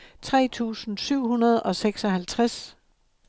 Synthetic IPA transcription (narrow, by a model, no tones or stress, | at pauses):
t͡sʰʁɛ̰ːt͡sʰṵːsn̩syʊ̰hunɐð̞ˠɒ̽seɡ̥sɒ̽ɦælt͡sʰʁas